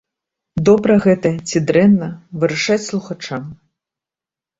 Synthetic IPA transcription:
d̪ɔbɾɐɣɛt̪ɐt͡sʲid̪ɾɛnːɐvɨɾɐʂat͡sʲslˠuxat͡ʂam

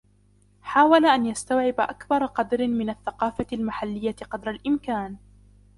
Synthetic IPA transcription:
ħaːwalaʔanjast̪awʕɪbaʔakbɑɾˤɑqɑd̪ɾɪmɪnaθːaqɑːfaalmaħalːɪjːaqɑd̪ɾˤalʔɪmkaːn

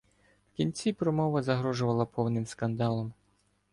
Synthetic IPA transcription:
wkʲinʲt͡sʲipɾɔmɔʋɐzɐɦɾɔʒʊʋɐlˠɐpɔwnɪmskɐnd̪ɑlˠɔm

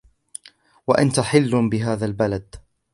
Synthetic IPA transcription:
waʔant̪aħɪlːbɪɦaːðalbalad̪

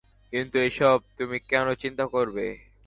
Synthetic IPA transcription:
kint̪ueʃɔb̚t̪umikɛnot͡ɕint̪akoɾbe

